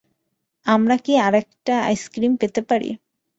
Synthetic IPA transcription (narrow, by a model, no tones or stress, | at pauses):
ɐmɽakiaɾɛkʈaɐ̰jskɾimpet̪epɐɽḭ